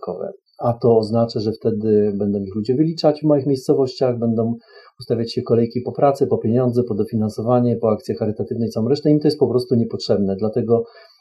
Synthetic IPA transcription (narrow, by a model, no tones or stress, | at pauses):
kɔvɛ̰ | at̪ɔːznat͡ʂaʐɛft̪ɛd̪ɘbɛnd̪ɔ̃w̃ixlud͡ʑɛvɘlʲit͡ʂat͡ɕvmɔjɘxmʲjejst̪sɔvɔɕt͡ɕaɣbɛnd̪ɔ̃w̃ust̪avʲjat͡ɕɕɛkɔlɛjkʲipɔpɾat̪sɛpɔpʲjeɲɔnd̪zɛpɔd̪ɔfʲinansɔvaɲɛpɔak̚t̪sʲjɛxaɾɘt̪at̪ɘvnɛjt̪sawɔ̃wɾɛʂt̪ɛimt̪ɔjɛst̪pɔpɾɔst̪uɲɛpɔtʂɛbnɛd̪lat̪ɛɡɔ